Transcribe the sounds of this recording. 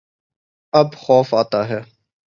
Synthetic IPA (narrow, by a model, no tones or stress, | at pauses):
ɐbxɔːfaːt̪aɦɛː